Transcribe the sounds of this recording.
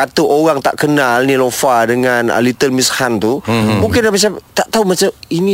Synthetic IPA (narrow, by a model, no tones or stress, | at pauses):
at̪uʔoɣaŋt̪a̰ʔkənalnilofadəŋana̰lit̪əlmishant̪umũŋkɪnamat͡ʃamt̪aʔt̪aumat͡ʃaminĩ